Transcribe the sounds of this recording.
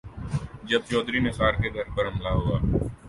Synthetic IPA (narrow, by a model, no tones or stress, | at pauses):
d͡ʒɐb̚t͡ʃɔːd̪ɾimesaːɾkeɡʱɐɾpɐɾɦɐmlaɦoːaː